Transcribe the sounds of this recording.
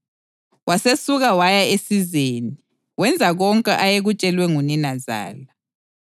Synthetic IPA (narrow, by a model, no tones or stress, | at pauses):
wasesuɣawajaesizeːni | wɛnd͡zʱaɣɔŋkʼɛʔajeɣut͡ʃʼɛlwɛŋuninaza̰ːla